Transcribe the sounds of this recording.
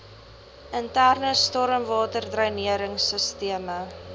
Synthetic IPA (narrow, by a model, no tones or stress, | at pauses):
əntærnəstɔɾəmvɑːtərdrəɥniəɾəŋsəstiəmə